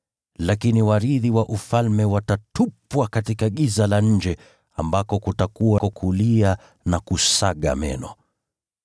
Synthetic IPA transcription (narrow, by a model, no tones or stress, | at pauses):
lakiniwaɾiðiwaʔufalmɛwatatupwakatikaɠizalaɲ̩d͡ʒɛ | ambakɔkutakuwakɔkʰulia | nakusaɠa̰mɛ̰nɔ